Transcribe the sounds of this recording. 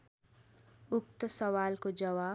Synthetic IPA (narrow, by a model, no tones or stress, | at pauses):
ʊk̚t̪əsʌwaːlkod͡ʒʌwa